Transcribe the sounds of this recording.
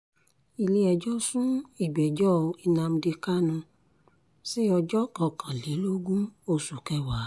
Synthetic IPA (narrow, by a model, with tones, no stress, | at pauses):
i˨le˧˦ɛ˨d͡ʒɔ˦sũ˦i˦˨ɡ͡bɛ˨d͡ʒɔ˦˧i˧nã˧m̩˧di˧ka˦nũ˧ | si˦ɔ˧d͡ʒɔ˦kɔ̃˨˧˨kʰã˨le˨˦lo˦ɡũ˦o˧su˨kɛ˧wa˨˦